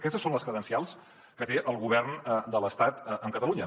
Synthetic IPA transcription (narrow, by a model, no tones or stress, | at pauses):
kɛst̪əsonləskɾəðənsialˠs | kət̪eʔəlˠɣuβ̞ɛrnəd̪ələst̪at̪əəmkət̪əluɲə